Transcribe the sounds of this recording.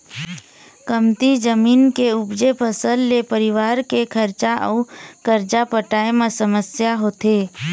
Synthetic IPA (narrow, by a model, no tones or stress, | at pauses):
kəmt̪id͡ʒəmiːnkeʊbd͡ʒepəsəlːepəɾɪʋaːɾkekʰəɾt͡ʃaʔə̰ʊkəɾt͡ʃapəʈaːemẽsəməsjaɦoːt̪eː